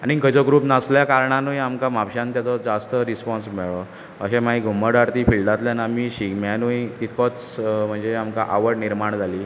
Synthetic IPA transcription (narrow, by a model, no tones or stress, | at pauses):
anikəd͡ʑoɡɾuːpnasljakaɾɳanujamkamapɕãnt̪jat͡sɔd͡zast̪əɾispɔnsmɛɭɔ | əɕẽmaiɡʱumːəɽaɾt̪iːfilɖat̪ljanamiːɕikmjanujt̪it̪ʰkɔt͡sm̤əɳd͡zeamkaʔaʋəɽniɾmaɳd͡zʱaliː